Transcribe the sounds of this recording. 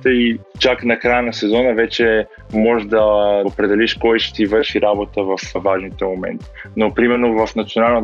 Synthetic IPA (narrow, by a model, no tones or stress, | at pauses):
t̪əit͡ʃaknɐkɾajənɐsɛzɔnəvɛt͡ʃɛ | mɔʒd̪ɐopɾɛd̪ɛliʃkɔjʃɛ̥t̪ivəʃiɾabot̪əvəfvaʒnit̪ɛmomɛ̰nt̪i̥nopɾimɛɾnovɐfnɐt̪sionalˠnə